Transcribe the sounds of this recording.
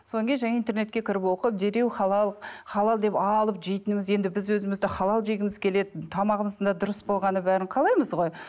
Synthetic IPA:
soŋkʲenʒæŋeint̪e̞rne̞t̪̚kʲe̞kʲʰɪɾɪpwo̞qəp̚d̪e̞ɾe̞wχɑlˠɑlˠəqχɑlˠɑlˠd̪e̞pɑlˠəpʒe̞jt̪ɪnɪmɪzje̞nd̪ɪbɪzwɵzɪmɪzd̪ɪχɑlˠɑlˠʒe̞ɡʲɪmɪz̥kʲʰe̞le̞d̪ɪt̪ʰɑmɑʁəməzənd̪ɑd̪ʊɾəsbo̞lˠʁɑnəbæɾɪɴqʰɑlˠɑjməzʁo̞j

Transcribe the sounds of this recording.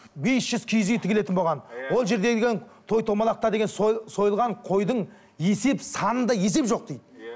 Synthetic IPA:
be̞sʒ̥ʏz̥kʲʰijzet̪ʰɪkʲele̞t̪ɪnboʁɑnwo̞lˠʒe̞ɾd̪eɡʲet̪ʰo̞jt̪ʰo̞mɑlˠɑq̚t̪ɑd̪e̞ɡʲensso̞jəlˠʁɑɴqʰo̞jd̪əɴ | je̞se̞psɑnənd̪ɑje̞s̬e̞pʒo̞q̚d̪ejd̪ɪɪ

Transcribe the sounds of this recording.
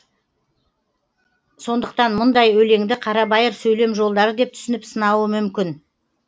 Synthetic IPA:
so̞nd̪əq̚t̪ɑnmʊnd̪ɑjɵle̞ŋd̪ɪqʰɑɾɑbɑjəɾsɵjle̞mʒo̞lˠd̪ɑɾəd̪e̞p̚t̪ʰʏ̥sɪnɪpsənɑwəmʏmkʲɪn

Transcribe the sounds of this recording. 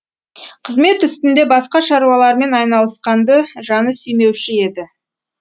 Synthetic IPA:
qʰəzme̞t̪ʏst̪ɪnd̪e̞bɑsqɑʃɑɾuwɑlˠɑɾme̞nɑjnɑlˠəsqɑnd̪əʒɑnəsʏjme̞wʃɪe̞d̪ɪ

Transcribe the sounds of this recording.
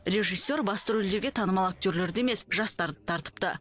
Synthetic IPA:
ɾe̞ʒijsʲːe̞ɾbɑst̪əɾɪld̪e̞ɾɡʲe̞t̪ʰɑnəmɑlˠak̚t̪ʲøɾle̞ɾd̪eeme̞sʒɑst̪ɑɾd̪ət̪ʰɑɾt̪ə̥p̚t̪ə

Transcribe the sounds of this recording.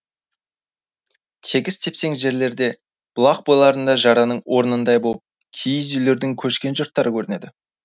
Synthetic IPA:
t̪ʰe̞ɡʲɪst̪ʰe̞pse̞ŋʒe̞ɾle̞ɾd̪e̞ | b̥ʊlˠɑqbojlˠɑɾənd̪ɑʒɑɾɑnəɴwʔo̞ɾənənd̪ɑjbolˠəp̚ | kʲʰijɪzʏjle̞ɾd̪ɪŋkʲʰɵʃkʲe̞nʒʊɾt̪ːɑɾəkʲʰɵɾɪne̞d̪ɪ

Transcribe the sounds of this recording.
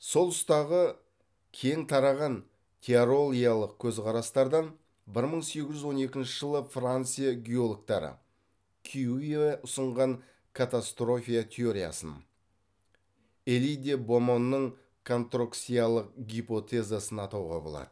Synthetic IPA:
so̞lˠʊst̪ɑʁə | kʲʰe̞jɪŋt̪ʰɑɾɑʁɑn | t̪ʲʰeaɾo̞lˠijalˠəq̚kʲʰɵzqʰɑɾɑst̪ɑɾd̪ɑn | bɪɾməɴse̞ɡʲɪʒʏzwo̞ne̞kʲɪnʃɪʒ̥əlˠəfrant̪sɨjaɡʲeolˠok̚t̪ɑɾə̰ | kʲʰiuieʔʊsəɴʁɑɴ | kʰat̪ast̪ro̞fʲijat̪ʲʰe̞oɾʲija̰sə̰n | elijd̪ebo̞mo̞nːəɴ | kʰont̪roksijalˠəq̚ɡʲipo̞t̪ʰe̞zasənɑt̪ɑwʁɑ̰bo̞̰lˠɑ̰d̪̥ə

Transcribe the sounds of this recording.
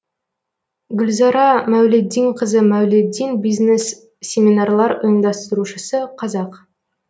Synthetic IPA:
ɡʲʏlzɑɾɑmæwled̪ːijŋqʰəzəmæwled̪inbijzne̞sːʲ | e̞mʲinɑrlˠɑɾʊjənd̪ɑst̪əɾuʃəsəqʰɑzɑq

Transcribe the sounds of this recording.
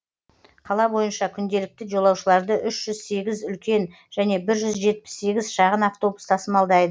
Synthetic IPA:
qʰɑlˠɑbo̞jənʃɑkʲʰʏnd̪e̞lɪk̚t̪ɪʒo̞lˠɑwʃəlˠɑɾd̪əʔʏʃʒ̥ʏzse̞ɡʲɪzʏlkʲe̞n | ʒ̥æne̞bɪɾʒʏzʒe̞t̪̚pɪ̥sːe̞ɡʲɪzʃɑʁənaft̪o̞bust̪ʰɑsəmɑlˠd̪ɑjd̪ə

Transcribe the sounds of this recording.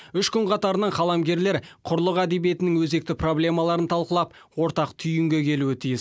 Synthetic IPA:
ʏʃkʲʰʏŋqɑt̪ɑɾənɑɴχʰɑlˠɑmɡʲe̞ɾle̞ɾqʰʊɾlˠəqæd̪e̞bije̞t̪ɪnɪŋwɵze̞k̚t̪ɪpro̞blʲe̞mɑlˠɑɾənt̪ʰɑlˠqəlˠɑp̚wo̞ɾt̪ɑqt̪ʰʏjɪŋɡʲe̞kʲʰe̞luɪt̪ʰijɪs

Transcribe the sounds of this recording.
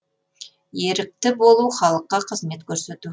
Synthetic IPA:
je̞ɾɪk̚t̪ɪbo̞lˠuχɑlˠəqːɑqʰəzme̞t̪kʲʰɵɾse̞t̪u

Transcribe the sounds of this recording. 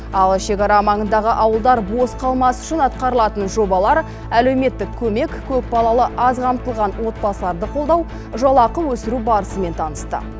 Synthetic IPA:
ɑlˠʃe̞kɑɾɑmɑɴənd̪ɑʁəʔɑwəlˠd̪ɑɾbo̞sqʰɑlˠmɑsʏ̥ʃɪnɑt̪̚qɑɾəlˠɑt̪ənʒo̞bɑlˠɑɾ | æle̞wme̞t̪ːɪkʲʰɵme̞kkʲʰɵk̚bɑlˠɑlˠəʔɑzʁʰɑmt̪əlˠʁɑnwo̞t̪̚bɑsəlˠɑɾd̪əqʰo̞lˠd̪ɑw | ʒɑlˠɑqəwɵsɪɾubɑɾəsəme̞nt̪ʰɑnəst̪ə̰

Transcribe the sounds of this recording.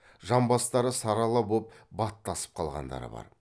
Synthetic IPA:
ʒɑmbɑst̪ɑɾəsɑɾɑlˠɑbop̚bɑt̪ːɑsə̥p̚qʰɑlˠʁɑ̰nd̪ɑ̰ɾə̰bɑ̰ɾ

